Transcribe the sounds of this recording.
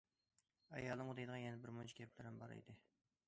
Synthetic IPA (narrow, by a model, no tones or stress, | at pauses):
ɑ̰jɑlˠnɨŋʊd̪ejd̪əʁɑnjɛnɛbɪɾmont͡ʃʰi̥ɡʲʰɛplɪɾɪmbɑ̰ɾḛd̪ɪ